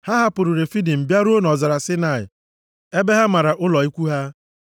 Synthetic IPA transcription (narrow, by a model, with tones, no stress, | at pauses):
ha˦ɦa˦pʊ˨ɾu˨ɾe˨fi˦di˨m̩˨bja˦ɾu˦o˦nɔ˨za˨ɾa˨sɪ˦na˨ɪ̰˨ | e˦be˦ɦa˦ma˨ɾa˨ʔʊ˦lɔ˨i˦kʷu˦ɦa˦